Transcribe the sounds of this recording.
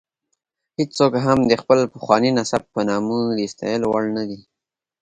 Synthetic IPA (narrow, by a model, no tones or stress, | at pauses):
het͡ssokɦamd̪əxpəlpəxwɑninasab̚pənɑmud̪ist̪ɑ̰jəlowaɭnad̪i